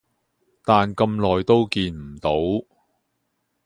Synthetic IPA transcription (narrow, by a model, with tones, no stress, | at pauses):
t̪aː˨nkɐ˧mlɔː˨˩jt̪o˥wkiː˧nm̩˨˩t̪o˨˥w